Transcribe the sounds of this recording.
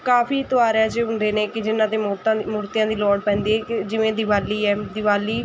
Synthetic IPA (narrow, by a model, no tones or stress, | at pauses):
kaːpʰiːt̪ʊaːɾɛːd͡ʒeːɦʊɳd̪eːneːkɪd͡ʒɪnãːt̪eːt̪ãmʊɾt̪ɪjãːd̪iːlɔːɽpɛ̃ːnd̪iːɛːkɪd͡ʒɪʋẽːd̪ɪʋaːliːɛːd̪ɪʋaːliː